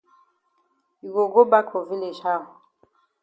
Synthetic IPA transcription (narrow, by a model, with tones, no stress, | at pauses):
i˨ɡo˨ɡo˦ba˦kʰo˨vi˦le˨ʃa˦˨ɔ˨